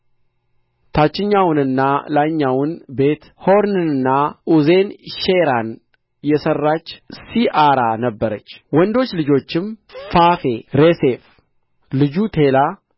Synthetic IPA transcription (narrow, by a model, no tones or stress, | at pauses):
t̪ʰat͡ʃːɪɲːawʊnɨnːalaɲːawʊnbe̞t̪ho̞ɾnɨnɨnːauze̞nʃeɾan | jɛsərːat͡ʃːsiʔaɾanəbːəɾət͡ʃːwɔnd̪o̞t͡ʃːlɨd͡ʒo̞t͡ʃːɪmfafe̞ɾese̞f | lɨd͡ʒut̪ʰe̞la